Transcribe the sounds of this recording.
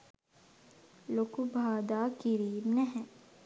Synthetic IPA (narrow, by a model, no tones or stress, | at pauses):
lokubʱaːd̪aːkiɾiːmnɛɦɛ̃